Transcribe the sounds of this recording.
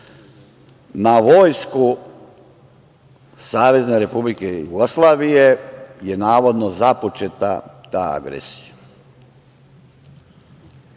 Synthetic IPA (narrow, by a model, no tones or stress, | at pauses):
naʋo̞ːjsku | saːʋe̞zne̞ɾe̞publikejuɡoslˠaːʋijejenaːʋo̞d̪nozapot͡ʃet̪a̰t̪aa̰ɡɾḛsi̥ja